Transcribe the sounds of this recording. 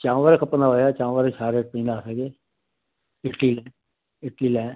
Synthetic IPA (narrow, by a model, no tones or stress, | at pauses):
t͡ʃãːʋəɾkʰəpnaɦoːjaːt͡ʃãːʋəɾet͡ʃʰaːɾekpĩːnaːsəɡeː | ɪʈliːlɛ̃ː | ɪʈliːlɛ̃ː